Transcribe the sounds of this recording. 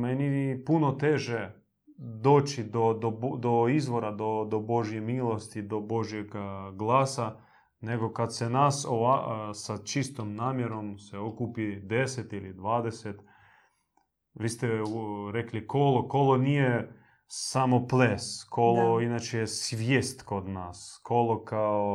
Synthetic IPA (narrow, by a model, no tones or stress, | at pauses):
menipuno̞t̪eʒe | d̪o̞ːt͡ʃid̪od̪od̪oizʋo̞ɾad̪od̪obo̞ʒjemiːlˠo̞st̪id̪obo̞ʒjeɡɡlˠaːsa | ne̞ɡo̞kat̪senasoʋasat͡ʃist̪omnaːmjeɾo̞mseokupid̪e̞set̪ilid̪ʋaːd̪eset̪ | ʋiːst̪euɾeklikoloko̞lonije | samo̞pleskʰoloinaːt͡ʃejesʋjeːst̪kod̪naːskʰolokʰao